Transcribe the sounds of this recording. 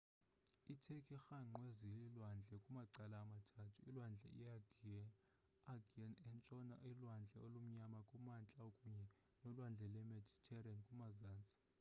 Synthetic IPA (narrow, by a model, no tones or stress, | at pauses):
itʰekʼixaŋ͡ǃwezililwand͡ɮʱɛkʼumaǀalaːmatʰatʰuilwand͡ɮʱɛ̰ḭaɡʱiɛ | aɡiɛnɛnt͡ʃʼɔna̰ʔilwand͡ɮʱɛolum̩ɲamakʼumant͡ɬʼaokʼuɲɛ | nɔlwand͡ɮʱɛlɛmɛdʱitʰɛrankʼumazaːnt͡sʼi̥